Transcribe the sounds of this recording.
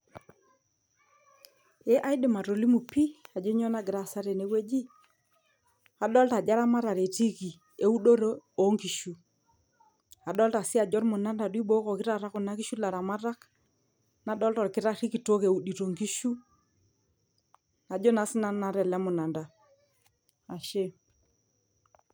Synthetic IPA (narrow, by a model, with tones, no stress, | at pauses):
e˦ʔa˦jɗɪ˨ma˨ɾo˨li˦mu˨pi˦a˨d͡ʒo˦ɲɔ˦na˦ɡɪ˨ɾa˨sa˦ɾe˨ne˨˦we˦d͡ʒi˦ | a˨ɗɔ˦lta˨d͡ʒa˦ɾa˦ma˦ɾa˨ɾe˨ti˦ki˨ | e˦u˦ɗo˦ɾo˦o˦ŋki˨ʃu˨ | a˨ɗɔ˦lta˨sɪ˦a˨d͡ʒɔ˦ɾmʊ˨na˦nda˨ɗwi˦ɓo˦kɔ˨kɪ˦ɾa˦˨ɾa˦kʊ˨na˦ki˦ʃu˦la˨ɾa˨ma˦ɾa˦k | na˨˦ɗɔ˦ltɔ˨ɾkɪ˦ɾa˦ɾi˦ki˨to˦ke˨u˨ɗi˨to˨ŋki˦ʃu˦ | na˨d͡ʒo˦na˨˦sɪ˦na˦n˦na˨ɾɛ˨lɛ˦mʊ˨na˨nda˨ | a˨ʃe˦